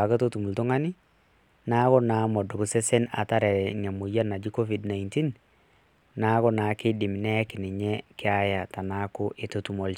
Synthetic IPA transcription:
a˨ke˦to˦tu˨mu˨ltʊ˦ŋa˦nɪ˦ | na˦kɔ˦naː˨˦mɔ˨dɔ˨bu˨se˦se˦na̰˨ta˦ɾɛ˨ŋa˨mo˨ja˦na˨d͡ʒi˦ko˦fi˨dna˨inti˦n | na˦kɔ˦na˨kɪ˦dɪ˨m˨nɛ˦kɪ˨nɪ˨ɲɛ˦kɪ˦a˦ja˨ta˨na˦kʊ˦ʔe˨to˦tu˨mo˨l

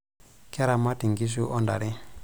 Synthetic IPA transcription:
kɛ˦ɾa˨ma˦ti˨ŋɡi˦ʃ̬u˦ʔɔ˦nda̰˨ɾi˦

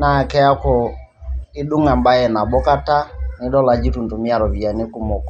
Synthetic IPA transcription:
na˨kɛ˦a˦kɔ˨ | i˦ɗu˦ŋa˨mba˦ɛ˨na˨bɔ˦ka˦ta˦ni˦ɗɔ˦la˨d͡ʒi˦tu˨ntu˨mi˦a˨ɾɔ˨vi˨a˨ni˦ku˦mɔ˨kɔ˨

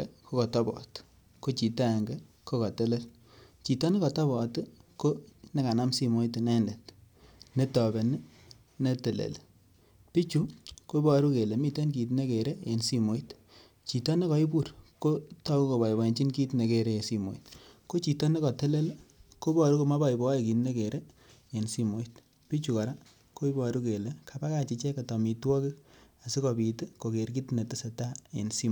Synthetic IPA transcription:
ko˦kɔ˨tɔ˦bɔ̰˨t | ko˦t͡ʃi˨ta˦ɛ˨ŋɡɛ˦ | ko˦kɔ˨tɛ˦lɛ˦l | t͡ʃi˨tɔ˦ne˦kɔ˨tɔ˦bɔ˨tko˦nɛ˦ka˨na˦msi˦mo˦i˦tnɛ˦ndɛ˨t | ne˦tɔ˨be˨n˦ | ne˦te˨lḛ˨l | pi˦t͡ʃu˨˦ko˦bɔ˨ɾu˦ke˨le˨mi˦˨te˦nki˨t̬ne˦ke˨ɾe˦e˨nsi˦mo˦i˦t | t͡ʃi˨tɔ˦ne˦kɔ˨˦i˦bu˦˨ɾko˦tɔ˦ku˦ko˨ba˨i˨bɔ˨i˨nt͡ʃi˦nki˦tne˨ke˨ɾe˦e˨si˦mo̰˨i˨tko˦t͡ʃi˨tɔ˦ne˦kɔ˨tɛ˦le˦lko˦bɔ˨ɾu˦ko˨ma˦ba˦i˨bɔ˨˦e˨ki˨tne˦ke˨ɾe˦ | e˨nsi˦mo˦i˦t | pi˦t͡ʃu˨ka˨ɾa˦ | ko˦i˦bɔ˨ɾu˦ke˨le˨˦kʰa˨pa˦ka˨t͡ʃi˨˧t͡ʃɛ˦ka˨tɔ˨mi˨twɔ˦ki˦ | a˨si˦kɔ˨pi˨te˦ko˨ke˨ɾki˦tne˨ti˦se˨ta˦ḛ˨nsi˦

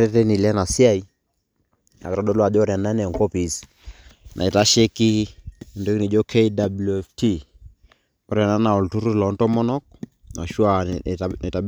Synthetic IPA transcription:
ɾɛ˦te˦ni˨lɛ˦na˨si˦a˦i˦ | na̰˨kɾɔ˦dɔ˦lwa˨d͡ʒɔ˦ɾa˨na˦nɛ˨ŋko˦pi˨s | nʔa̰˨i˨ta˦ʃe˦ki˦˨ndo˦kni˨d͡ʒo˦kʰe˦i˦da˨blu˨ɛ˨fti˦ | ɔ˦ɾja˨na˦na˨ɔ˨ltu˦ɾu˦lɔ˨˦ntɔ˦mɔ˦nɔ˦k̚na̰˨ʃu˦a˨n˨ta˨

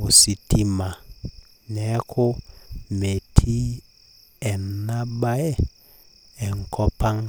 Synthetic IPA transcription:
u˨si˨ti˦ma˨ | nɛ˨˦kʰʊ˦me˨tʰi˦ | ɛ˨na˦ɓa˦ɛ˦ | ɛ˨ŋ̩˨kʰɔ˦pa˦ŋ

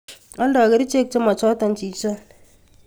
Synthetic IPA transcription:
ɔ˦n˦dɔ˨ke˨˦ɾi˦t͡ʃe˦k̚t͡ʃo˦ma˨t͡ʃɔ˦tɔ˨n̩˦t͡ʃi˨˦t͡ʃɔ˦

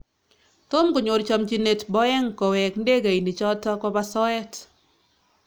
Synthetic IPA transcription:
t̪o˦mko˨ɲo˨ɾt͡ʃɔ˨md͡ʒi˨ne˨tbɔ˦ɛ˦ŋkɔ˨wɛ˨knde˦ɡa˨i˨ni˨t͡ʃɔ˦tɔ˦kɔ˦ba˦sɔ˦ɛ˦t

